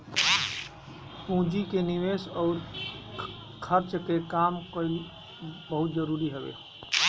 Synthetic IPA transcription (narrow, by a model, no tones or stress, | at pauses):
pũːd͡ʒikeniʋeːsɔːɾ | kʰəɾt͡ʃkekaːmkəɪl | bəɦut̪d͡ʒəɾuːɾiɦəbḛ